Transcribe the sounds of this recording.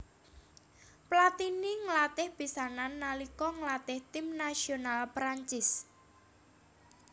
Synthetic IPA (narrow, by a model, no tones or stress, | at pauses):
plat̪iniŋəlat̪ɪhb̥i̤sananːalikɔŋəlat̪ɪht̪ɪmnasionalpɾaɲt͡ʃɪs